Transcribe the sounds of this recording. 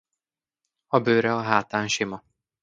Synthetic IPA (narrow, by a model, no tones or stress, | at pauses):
ɒbøːɾɛɒɦaːt̪aːnʃimɒ